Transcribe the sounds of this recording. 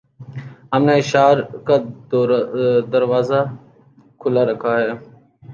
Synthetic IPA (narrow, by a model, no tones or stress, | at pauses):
ɦəmneɪʃaːɾka | d̪əɾʋaːza | kʰʊlaɾəkʰaɦɛː